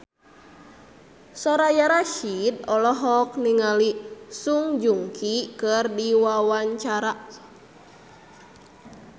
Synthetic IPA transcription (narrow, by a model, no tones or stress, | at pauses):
sɔɾajaɾaʃid̚ɔlɔɦɔk̚niŋalisuŋd͡ʒuŋkʰikɨrdiwawaɲt͡ʃaɾa